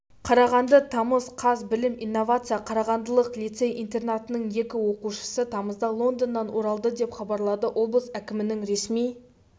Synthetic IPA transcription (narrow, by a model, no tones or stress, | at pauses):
qʰɑɾɑʁɑnd̪ət̪ʰɑməzqʰɑzbɪlɪminːo̞vat̪sɨjɑqʰɑɾɑʁɑnd̪əlˠəqlˠijt̪se̞jʔint̪e̞rnat̪ənəɴje̞kʲɪwo̞quʃə̥sət̪ʰɑməzd̪ɑlˠo̞nd̪ənːɑnwo̞ɾɑlˠd̪əd̪e̞pχɑbɑɾlˠɑd̪əʔo̞blˠəsækʲɪmɪnɪŋɾe̞smij